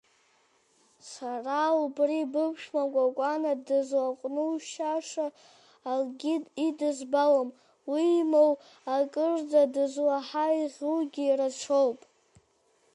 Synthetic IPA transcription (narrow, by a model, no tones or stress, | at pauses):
saraubribɨpʰʃmakʷʼakʷʼanadɨzwaqʷʼnuʃaʂaː | lɡʲiidɨzbawom | wiːmow | akʼɨrdadɨzwaħaiʁʲuɡʲiːrat͡ʃʷʰowpʼ